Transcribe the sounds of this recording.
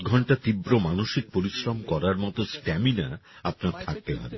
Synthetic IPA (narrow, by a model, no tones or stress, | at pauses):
ɡʱɔɳʈat̪ibɾomanoʃik̚poɾiʃɾomkɔɾaɾmɔt̪osʈɛmina̰apnaɾt̪ʰak̚t̪eɦa̰be